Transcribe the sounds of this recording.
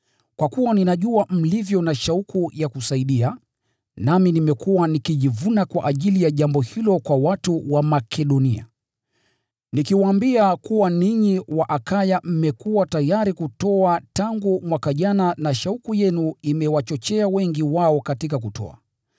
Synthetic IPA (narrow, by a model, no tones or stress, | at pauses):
kwakuwaninaʄuam̩livjɔnaʃaukujakusaiɗia | naminimɛkuwanikiʄivunakwa̰ʔaʄilijaʄambɔhilɔkwawatuwamakʰɛɗɔnia̰ | nikiwaaːmbiakuwaniɲiwaʔakajam̩mɛkuwatajaɾikutɔataŋɡumwakaʄananaʃaukujɛnuimɛwat͡ʃɔt͡ʃɛawɛŋɡiwaɔkatikak̬utɔ̰a̰